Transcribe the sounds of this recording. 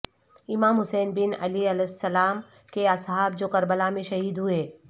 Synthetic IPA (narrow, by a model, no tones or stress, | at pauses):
ɪmaːmɦʊsɛːnbɪnɐ̰liɐlɛsːɐlaːm | keɐsɦaːb̚d͡ʒoːkɐɾbəlamẽʃɐɦiːd̪ɦueː